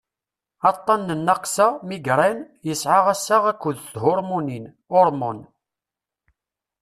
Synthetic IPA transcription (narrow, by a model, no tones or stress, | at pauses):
ɑt̪ˤːɑnːənːɑqsæmiɡɾæn | jəsʕaʁæsːaʁækʷːʊðθθhʊɾˤmunin | ʊɾˤmʊn